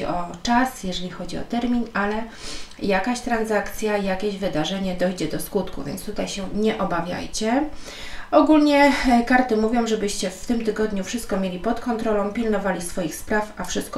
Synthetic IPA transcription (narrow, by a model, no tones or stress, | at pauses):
iʔɔt͡ʂasjɛʐɛlʲixɔd͡ʑiɔ̰t̪ɛɾmʲinalɛjakaɕt̪ɾanzakt̪sʲjaijakʲeʑvɘd̪aʐɛɲɛd̪ɔjd͡ʑɛd̪ɔskut̪kṵvʲjɛ̰nt̪st̪ut̪ajɕɛɲɛʔɔbavʲja̰jt͡ɕɛ | ɔɡulɲɛkaɾt̪ɘmuvʲjɔ̃w̃ʐɛbɘɕt͡ɕɛft̪ɘmt̪ɘɡɔd̪ɲufʂɘst̪̚kɔmʲjelʲipɔt̪kɔnt̪ɾɔlɔ̃w̃pʲilnɔvalʲisfɔjixspɾafafʂɘst̪̚k